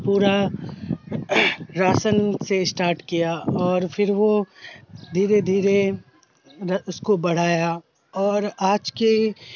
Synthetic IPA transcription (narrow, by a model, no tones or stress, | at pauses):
puːɾa | ɾaːsənsesʈaːɾʈkijaɔːɾfʰɪɾʋo | d̪ʱiːɾed̪ʱiːɾe | ʊskobɐɽ̤aːja | ɔːɾaːd͡ʒke